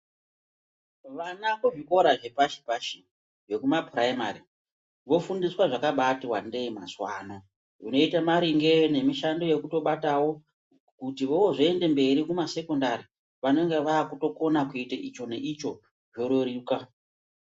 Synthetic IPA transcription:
ʋanakuʐiko̞ɾaʐe̞paʃi̥paʃi | ʐe̞kumapraima̰ri | ʋo̞fundiswaʐakaɓatiwande̞ima̰swaːno | runo̞itamaɾiŋɡe̞ne̞miʃando̞je̞kuto̞ɓatawo̞ | kutiʋowoʐoende̞mbe̞ɾikumase̞ko̞ndaɾi | ʋano̞ŋɡe̞ʋaːkuto̞ko̞nakuiteʔit͡ʃo̞ne̞ʔit͡ʃo̞ | ʐo̞ɾoɾika

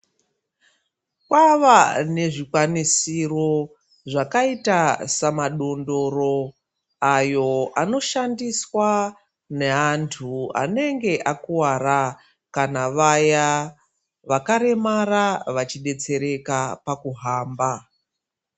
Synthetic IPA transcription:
kwaʋane̞ʐikwanisiro̞ | ʐakaitasamaɗo̞ndo̞ɾo̞ | ajo̞ano̞ʃandiswa | ne̞antʰua̰ne̞ŋɡe̞ʔakuwaɾa | kanaʋaja | ʋakaɾe̞maraʋat͡ʃiɗe̞t͡se̞ɾe̞kapakuɦaːmba

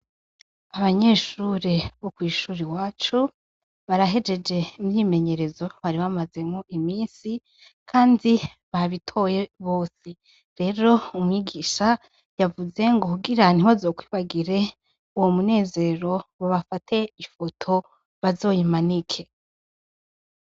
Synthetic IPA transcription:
aβaɲe̞ːʃuɾeβokwiːʃuːɾiwaːt͡ʃu | βaɾaɦe̞d͡ʒe̞d͡ʒe̞imɲime̞ɲe̞ɾe̞zo̞βaɾiβamaze̞mŋoʔimiːnsi | kʰaːndi | βaβitʰo̞je̞βo̞ːse | ɾe̞ɾo̞umŋiːɡiːʃa | javuze̞ŋɡo̞kuɡiɾaniβazo̞ːkwi̥ːβaɡiɾe̞ | uwomune̞ːze̞ɾo̞βoβafatʰe̞ifo̞tʰo̞ | βazo̞ːjimanikʰe̞

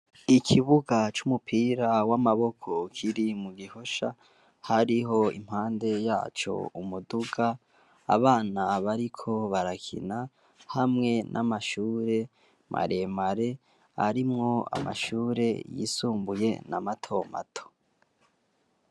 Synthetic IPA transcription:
ikʰiβuɡat͡ʃumupʰiːɾawamaβo̞kʰo̞kʰiɾimuɡiho̞ʃa | haɾiɦo̞ḭm̥haːnde̞jaːt͡ʃo̞̰umuduɡa̰ː | βaːnaβaɾikʰo̞βaɾakʰḭna | hamŋe̞nʔamaʃuːɾe̞ | mʔa̰ɾe̞maɾe̞ | a̰ɾimŋo̞a̰ma̰ʃuːɾe̞jḭːsuːmbuje̞̰namatʰo̞ma̰tʰo̥

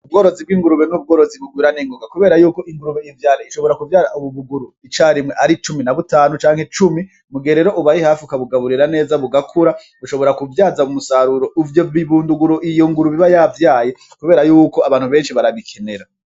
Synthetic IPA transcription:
ubɡo̞ːɾo̞zibɡwiːŋɡuɾuβenub̚ɡo̞ːɾo̞ziβuɡwiːɾaneŋɡoɡakuβe̞ːɾajuːko̞ʔiŋɡuɾuβejivjaːɾeiʃo̞βo̞ɾakuvjaːɾaʔuβuβuɡuɾuit͡ʃaːɾimŋeʔaɾit͡ʃuminaβutaːnut͡ʃaːŋ̥he̞t͡ʃumi | muɡeɾeɾo̞ʔuβajihaːfiukaβuɡaβuɾiɾane̞ːzaβuɡakʰuɾa | βuʃo̞βo̞ɾakuvjaːzaumusaɾuɾo̞ʔuvjoβiβuːnduɡuɾoʔijoŋɡuɾuβiβajavjaːje̞ | kuβe̞ːɾajuːko̞aβaːn̥uβe̞ːnʃiβaɾaβikʰe̞ne̞ɾa

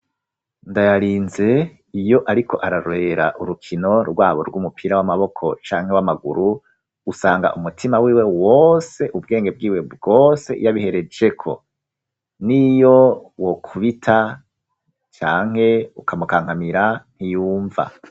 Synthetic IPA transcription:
ndajaɾiːnze̞ | ijo̞ʔaɾikʰo̞̰ʔaɾaɾwe̞ːɾa̰ʔuɾukʰino̞ɾɡwaːβoɾɡwumupʰiɾawamaβo̞kʰo̞̰t͡ʃaːŋhe̞wamaɡṵɾu̥ | usaːŋɡa̰ʔumutʰimawiːwe̞wose̞ʔub̚ɡe̞ːŋɡe̞b̚ɡiːwe̞bɡoːse̞̰ʔijaβihe̞ɾe̞d͡ʒe̞kʰo̞̰ | nijo̞wokʰuβitʰa | t͡ʃaːŋ̥he̞ukʰamukaːŋhamiɾan̥ijuːɱva̰

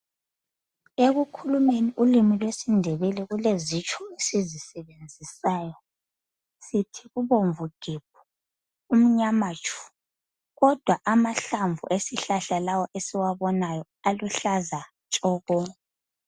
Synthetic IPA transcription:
eɣukʰulumeniʔulimilwesindʱɛβɛlɛɣulezit͡ʃʰʼɔesizisɛβend͡zʱisaːjɔ | sitʰiɣuβoɱvuɡ̥ʱib̥̚ʰu̥ | um̩ɲamat͡ʃʼʰu̥ | ɣɔd̥ʱwaʔamaɬaɱvʱṵʔesiɬaɬalawɔʔesiwaβɔnajɔ | aluɬaza | t͡ʃʼɔːɣɔ

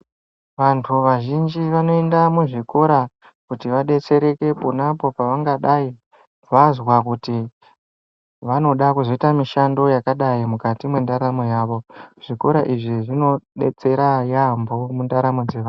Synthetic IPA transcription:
ʋantʰuʋaʒind͡ʒiʋano̞e̞ndamuʐiko̞ɾa | kutiʋaɗe̞t͡se̞ɾe̞ke̞ponapo̞paʋaŋɡaɗai | ʋazwakuti | ʋano̞ɗakuzo̞itamiʃando̞jakaɗaimukatimwe̞ndaɾamo̞jaːʋo̞ʐ̥iko̞ɾaʔiʐiʐino̞ɗe̞̰t͡se̞ɾajambo̞mundaɾamod͡zeʋaːn

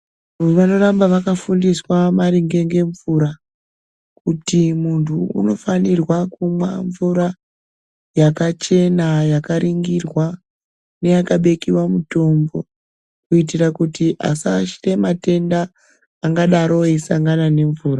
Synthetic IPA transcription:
ʋano̞rambaʋakafundiswamaɾiŋɡe̞ŋɡe̞ɱvuɾa | kutimuntʰṵːno̞fanirwakumwaɱvuɾa | jakat͡ʃe̞najakaɾiŋɡirwa | ne̞jakaɓe̞kiwamuto̞mbo̞ | kuit̬irakutiʔa̰saʃire̞mate̞ndaː | ŋɡaɗaɾo̞esaŋɡanane̞ɱvuːra

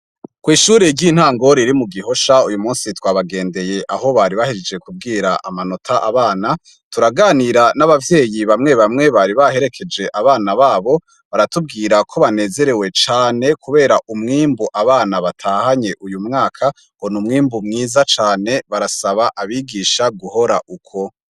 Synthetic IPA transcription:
kwiːʃuːɾeɾɟin̥haːŋɡo̞ɾiɾimuɡiɦo̞ʃaujumuːnsitwaːβaɡe̞ːnde̞je̞ʔaho̞βaɾiβahid͡ʒed͡ʒe̞kub̚ɡiːɾaʔa̰mano̞tʰaʔaβaːna | tuɾaɡaːniɾanaβavje̞ːjiβamŋe̞βamŋe̞βaɾiβaɦe̞ɾe̞kʰe̞d͡ʒe̞ʔaβaːnaβaːβo̞ | βaɾatub̚ɡiːɾakʰo̞βane̞ːze̞ɾe̞we̞t͡ʃaːne̞kʰuβe̞ːɾaʔumŋiːmbuʔaβaːnaβatʰaːhaɲe̞ʔujumŋaːkʰa | honumŋiːmbumŋiːzat͡ʃaːne̞βaɾasaβaʔaβiɡiːʃaɡuho̞ɾaʔukʰo̞

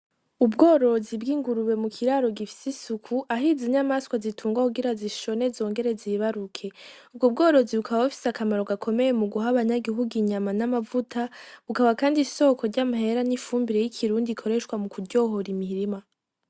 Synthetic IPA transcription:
ubɡoːɾo̞zibɡiːŋɡuɾuβe̞mukʰiɾaɾo̞ɡifi̥sisukʰuʔaɦiziɲamaskwazitʰuːŋɡwakuɡiɾaziʃo̞ne̞zo̞ːŋɡe̞ɾe̞ziβaɾukʰe̞ub̚ɡob̚ɡo̞ːɾo̞ziβukʰaβaβafi̥sakamaɾo̞ɡakʰo̞me̞je̞muɡuɦaβaɲaɡiɦuɡiɲamanamavutʰaβukaβakaːndiso̞ko̞ɾɟamaɦe̞ɾanifuːmbiɾe̞jikʰiɾuːndikʰo̞ɾeʃkwamukudɟo̞ɦo̞ɾimiɾima

